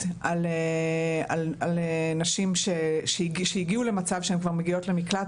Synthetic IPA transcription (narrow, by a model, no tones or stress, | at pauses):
ale | a̰lalenaʃimʃeʃeɡʃejiɡiule̞mat͡savʃeemkvaʁmeɡio̞tle̞mikla